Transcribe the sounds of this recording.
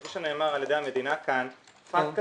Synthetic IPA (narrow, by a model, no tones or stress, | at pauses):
oʃene̞ːmaʁaljed̪ejhamed̪inakan | faka